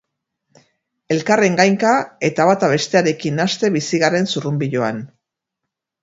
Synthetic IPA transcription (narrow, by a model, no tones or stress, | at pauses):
e̞lkare̞ŋɡajŋkae̞t̪aβat̪aβe̞st̪e̞aɾe̞kinast̪e̞βisiɣare̞nsurumbiʎo̞an